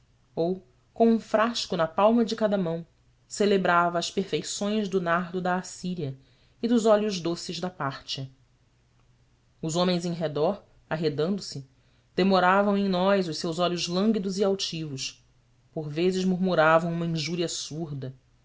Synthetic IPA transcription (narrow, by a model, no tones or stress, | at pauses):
ow | kõũfɾaʃkʊnɐpawmɐd͡ʒɪkad̪ɐmɐ̃w̃ | selebɾavɐːspeɾfejsõj̃zd̪ʊnaɦd̪ʊd̪ɐːsiɾiɐ | ɪd̪ʊzɔʎʊʒd̪osɪʒd̪ɐpaɾt͡ʃɐ | ʊzõmẽj̃zẽɦed̪ɔɾ | aɦed̪ɐ̃nd̪ʊsɪ | d̪̥emoɾavɐ̃w̃ẽj̃nɔjzʊʃsewzɔʎʊzlɐ̃ŋɡʲid̪ʊziawt͡ʃivʊʃ | poɾvezɪʒmuɾmuɾavɐ̃w̃ũmɐĩʒuɾiɐsuɾd̪ɐ